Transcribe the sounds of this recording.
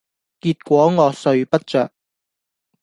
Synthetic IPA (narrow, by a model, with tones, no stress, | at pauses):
kiː˧t̚kʷɔː˨˥ŋɔː˨˧sɵ˧ɥpɐ˥t̚t͡ʃœ̰ː˨k̚